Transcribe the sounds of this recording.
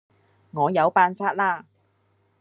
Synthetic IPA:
ŋɔː˨˧jɐ˨˧wpaː˧nsaː˥t̚laː˥˧

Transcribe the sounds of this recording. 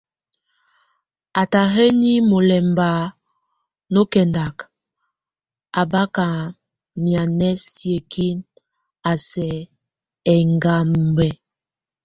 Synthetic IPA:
a˨ta˨ɦe˦ni˦mo˨lɛ˨mba˨ | no˦kɛ˨nda˨k | a˨ba˦ka˨ | mja˨nɛ˦sje˨kʰi˦n | a˨sɛ˨ | ɛ˨ŋɡa˦m˨bɛ˦

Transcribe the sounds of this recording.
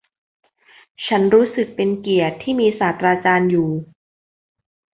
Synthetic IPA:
t͡ɕʰa˦˥nɾuː˦˥sɯ˨˩k̚pe˧nki˨˩ət̪ʰːiː˥˩miː˧saː˩˦t̪ɾaː˧t͡ɕaː˧njuː˨˩

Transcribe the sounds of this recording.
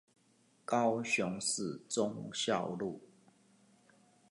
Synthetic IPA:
kɑ˦ʊɕjʊ˨˦ŋsɹ̩˥˨t͡sʊ˦ŋɕjɑ˥˨ʊlu˥˨

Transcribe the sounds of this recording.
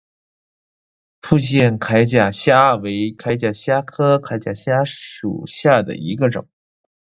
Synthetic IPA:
fu˥˧ɕjɛ˥˩nkʰa˧˥ɪt͡ɕja˨˩ɕja˥we˧˥ɪkʰa˧˥ɪt͡ɕja˨˩ɕja˥kʰɤ˥kʰa˧˥ɪt͡ɕja˨˩ɕja˥ʂṵ˨˩ɕja˥˩d̪ə̰˩i˧˥ɡə˧ʈ͡ʂʊ̰˨˩˦ŋ

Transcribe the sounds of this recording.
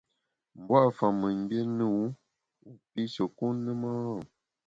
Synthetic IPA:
m̩˨bwa˦˨fa˨mɨ˨m˦bje˦nu˦˨˦ | u˨pi˦so˨ku˦nɨ˦ma˦˨

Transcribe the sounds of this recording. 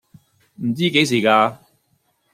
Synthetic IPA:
m̩˨˩t͡siː˥ke˨˥js̬iː˨˩kaː˧

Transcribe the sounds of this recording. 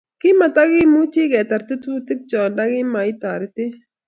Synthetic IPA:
kɪ˦ma˨ta˦ɡɪ˦mu˦ti˦ɡɛ˨ta˨ɾt̪ɪ˦tu˦tɪ˦k̚t͡ʃɔ˨nda˦ɡɪ˦ma˨i˦t̪a˨ɾɪ˦tɪ˦

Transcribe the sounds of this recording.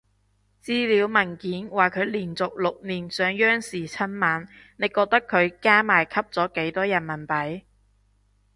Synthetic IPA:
t͡siː˥liː˨˥wmɐ˨˩nkiː˨˥nwaː˨˩kʰɵ˨˧ɥliː˨˩nt͡sʊ˨k̚lʊ˨k̚niː˨˩nsœː˨˧ŋjœː˥ŋsiː˨˩t͡sʰɐ˥nmaː˨˥n | ne˨˧jkɔː˧k̚t̪ɐ˥kʰɵ˨˧ɥkaː˥maː˨˩jkʰɐ˥p̚t͡sɔː˨˥ke˨˥jt̪ɔː˥jɐ˨˩nmɐ˨˩npɐ˨˥j

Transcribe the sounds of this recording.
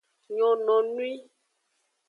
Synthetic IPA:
ɲɔ̃˨nɔ̃˨nũ˦i˦

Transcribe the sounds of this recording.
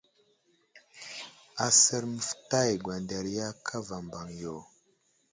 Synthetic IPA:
a˨sə˦ɾmə˨fta˦˨jɡwa˨nda˨ɾja˦kʰa˦va˨mba˨ŋjo˨

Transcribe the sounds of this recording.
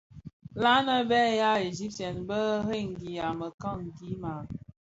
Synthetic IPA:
la˦nə˦bɛ˦ja˦e˨zi˦p̚tɛ˨nbə˦ɦe˦˨ŋ̩˨ɡi˨a˨mə˨ka˦˨ŋ˨ɡi˨˦ma˨

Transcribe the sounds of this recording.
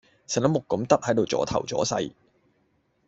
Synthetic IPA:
sɛ˨˩nlɐ˨˥mʊ˨kːɐ˨˥mt̪ɐ˥t̚hɐ˨˥jt̪o˨wt͡sɔ̰ː˨˥t̪ʰɐ̰˨˩wt͡sɔ̰ː˨˥sɐ̰˧j

